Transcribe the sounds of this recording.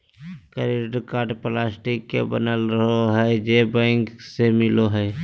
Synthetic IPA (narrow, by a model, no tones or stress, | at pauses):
kəɾiɾɖkaːʈplaːsʈɪkːḛbənəlɾəɦoɦɛd͡ʒebɛ̃ːŋksemɪloɦɛː